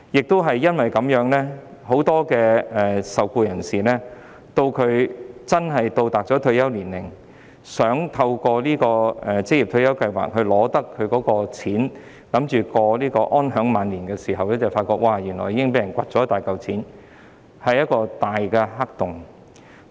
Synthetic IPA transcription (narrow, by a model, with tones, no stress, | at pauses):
jɪ˨k̚t̪o˥wɦɐ˨jːɐ˥nwɐ˨jkɐ˨˥mjœː˨˥ŋlɛː˥ho˨˥wt̪ɔː˥kɛː˧ɛː˨˩sɐ˨wkuː˧jɐ˨˩nsiː˨˩lɛː˥ | t̪o˧wkʰɵ˨˧ɥt͡sɐ˥nɦɐ˨jt̪o˧wt̪aː˨k̚t͡sɔ˨˥t̪ʰɵ˧ɥjɐ˥wliː˨˩nlɪ˨˩ŋ | sœː˨˥ŋt̪ʰɐ˧wkɔː˧liː˥kɔː˧ɛ˨t͡sɪ˥k̚ji˨p̚t̪ʰɵ˧jɐ˥wkɐ˧jwa̰ː˨k̚hɵ˨˧ɥlɔː˨˧t̪ɐ˥kʰːɵ˨˧ɥkɔː˨˥kɔː˧t͡sʰiː˨˥n | lɐ˨˥mt͡ʃyː˨kɔː˧liː˥kɔː˧ʔɔː˥nɦœː˨˥ŋmaː˨nliː˨˩nkɛː˧siː˨˩ɦɐ˨wlɛː˥t͡sɐ˨˩wfaː˧t̚kɔː˧k̚wʔaː˨˧jyː˨˩nlɔː˨˩jiː˧˥ɪ˥ŋpe˨˥jɐ˨˩nkʷɐ˨t̚t͡sɔː˨˥ɐ˥t̪aː˨jkɐ˨wt͡sʰiː˨˥n | hɐ˨jɐ˥t̚kɔː˧t̪aː˨jkɛː˧ɦɐ˥k̚t̪ʊ˨ŋ